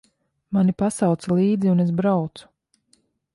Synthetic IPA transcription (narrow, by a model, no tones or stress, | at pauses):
manipasawt̪sɛlˠiːd̪ziunes̬bɾawt̪su̥